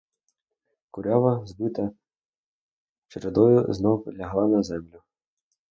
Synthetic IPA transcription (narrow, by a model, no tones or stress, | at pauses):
kʊɾʲaʋɐzbɪt̪ɐ | t͡ʃeɾed̪ɔjʊznɔwlʲɐɦlˠɑnɐzɛmlʲʊ